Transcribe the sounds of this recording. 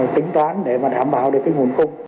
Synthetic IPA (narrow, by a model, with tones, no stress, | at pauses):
t̪ï˨˦ŋ̟t̪waː˨˦nɗe˧˩maː˨˩ɗaː˧˩mɓa̰ː˧˨wɗɨ˨˩əkːaː˨˦jŋ˨˩ənkʊ˧ŋ͡m